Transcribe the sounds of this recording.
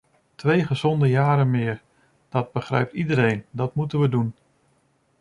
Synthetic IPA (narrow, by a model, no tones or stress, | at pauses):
tʰʋejχəzɔndəjaːɾəmɪːr | d̥ɔd̚bəχrɛ̰ɥp̚tidəɾejndɑtmutənʋədun